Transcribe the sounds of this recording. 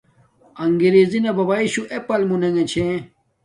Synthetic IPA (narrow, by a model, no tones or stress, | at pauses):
ɐŋɡiɾezinɐbɐbaiɕuʔepɐlmuneŋet͡ɕʰẽ